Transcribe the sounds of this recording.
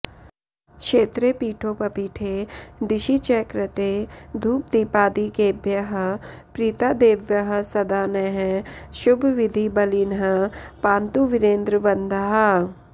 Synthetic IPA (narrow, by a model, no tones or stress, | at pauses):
kʃeːt̪ɾepiːʈʰopɐpiːʈʰed̪ɪʃit͡ʃɛːkɾət̪ed̪ʱuːp̚d̪ipaːd̪ikeːbʱjɐɦəpɾiːt̪aːd̪eːbjəɦəsɐd̪aːnɐɦəʃʊbʱʋɪd̪ʱibɐlinɦəpãːnt̪uʋɪɾẽːnd̪ɾəʋɐ̃nd̪ʱaɦ